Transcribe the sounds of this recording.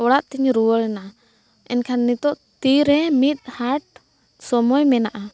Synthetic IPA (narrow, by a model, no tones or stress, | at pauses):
ɔɽaʔt̪ɛɲɾuwəɭna | ɛnkʰanːit̪ɔʔt̪iɾɛmit̪̚ˀhaʈ̚ | sɔmɔjmɛnaʔa